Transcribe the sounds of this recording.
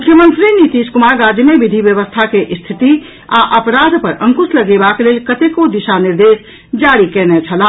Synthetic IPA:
mukʰjəmənt̪ɾinit̪iskumaɾɡad͡ʒjəmebid̪ʱibjəβəst̪ʰakeʔst̪ʰit̪i | aʔəpɾad̪ʱpəɾə̃ŋkusləɡebaklelkət̪ekod̪isaniɾd̪es | d͡ʒaɾikɛnɛt͡ʃʰəla

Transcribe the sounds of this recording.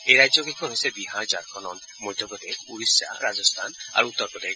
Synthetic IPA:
eɾajd͡ʒoɡekʰɔɦojsebiɦaɾd͡ʒaɾkʰɔnɔn | mojd̪ʱɔbɔd̪ekuɾisa̰ɾad͡ʒɔst̪ʰana̰ɾut̪ːɔɾpɔd̪e

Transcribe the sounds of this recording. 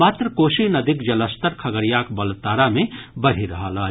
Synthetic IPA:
aːt̪ɾəkoːʃinɐd̪ʱɪkd͡ʒɐləst̪əɾkʰɐɡəɾijaːkbɐlt̪aːɾamẽbɐɽ̤iɾɐɦalaː

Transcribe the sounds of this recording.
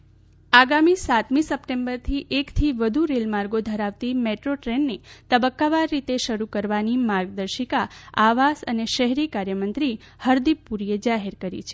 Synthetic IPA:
aɡamisat̪misəpʈembəɾt̪ʰiʔekt̪ʰiʋəd̪ʱuɾelmaɾɡod̪ʱəɾaʋt̪imeʈɾoʈɾenːet̪əbəkːaʋaɾːit̪eʃəɾukəɾʋanimaɾɡ̚d̪əɾʃikaaʋasəneʃəɦɾikaɾjəmənt̪ɾi | həɾd̪ipːuɾijed͡ʒaɦeɾkəɾḭt͡ʃʰe̥

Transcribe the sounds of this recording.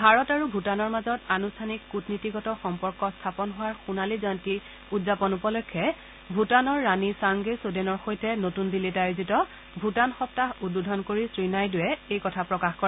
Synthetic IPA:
bʱaɹɔtaɹubʱutanɔɹmazɔtanustʰanikːutnitiɡɔtɔxɔmpɔɹkɔstʰapɔnɦʊwaɹxunalizɔjnti | udzapɔnupɔlɔkʰːɛ | bʱutanɔɹːanisaŋɡesudenɔɹxojtʰɛnotundilitajozitɔ | bʱutanxɔp̚taɦududʱɔnkoɹisɹinajdʊwɛejkɔtʰapɹɔkaxkɔɹɛ

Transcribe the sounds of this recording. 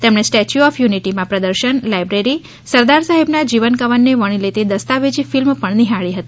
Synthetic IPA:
t̪emɳ̃esʈɛt͡ʃuɔfjuniʈimãpɾəd̪əɾʃənlajbɾeɾi | səɾd̪aɾsaɦebnad͡ʒiʋənkəʋənːeʋəɽ̃ilet̪ed̪əst̪aʋed͡ʒifilmpəɳniɦaɭiɦət̪i

